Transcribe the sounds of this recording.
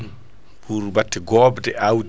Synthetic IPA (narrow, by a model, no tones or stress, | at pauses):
puɾubatːɛɡɔːbtɛaw